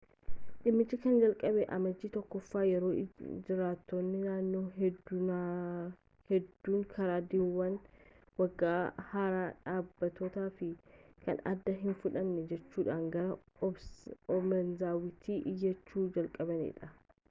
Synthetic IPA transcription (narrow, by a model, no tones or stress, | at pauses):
ᶑɪmːɪt͡ʃːɪkɐnd͡ʒɐlkʼɐbɛʔɐ̰mɐd͡ʒːiːt̪ɔkːɔfːaːjɛɾoːd͡ʒɪɾaːt̪ːonːɪnaːnːoːɦd | hɛd̪ːuːŋkʰɐɾaːd̪ɪwːɐn | wɐɡːaːhaːɾaᶑaːbːɐt̪ot̪aːfɪkɐ̰nɐ̰d̪ːɐɦɪnfʊᶑɐmnɛd͡ʒɛt͡ʃːuːᶑaːŋɡɐɾɐ | ɔmɛnzaːwɪt̪ʰiːʔɪjːɐt͡ʃːuːd͡ʒɐlkʼɐbɐnḛᶑɐ